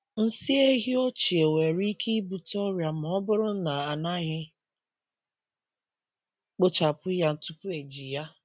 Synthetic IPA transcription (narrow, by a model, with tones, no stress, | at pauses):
n̩˦si˦e˦ɦi˦o˦t͡ʃi˨e˨we˨ɾi˦kʰi˦i˦bu˨tɔ˦ɾja˨m˨ɔ˦bʊ˦ɾʊ˦n̩˦na˨a˨na˦ɣɪ˦ | k͡po˦t͡ʃa˨pʊ˦ja˦n̩˦tʊ˦pʊ˦e˨d͡ʒi˨ja˦